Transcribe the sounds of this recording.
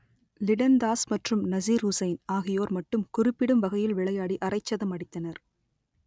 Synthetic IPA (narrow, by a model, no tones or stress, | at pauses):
lɪɽɐnd̪aːsmɐʈrɯmnɐziːɾʊsɐɪnaːɣɪjoːɾmɐʈːɯmkʊrɪpːɪɽɯmʋɐɣɐjɪlʋɪɭɐjaːɽiʔɐrɐɪt͡ʃːɐðɐmɐɽɪt̪ːɐnɐɾ